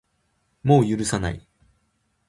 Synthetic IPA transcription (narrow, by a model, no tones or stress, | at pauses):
mo̞ːjɯɾɯ̟sana̰ḭ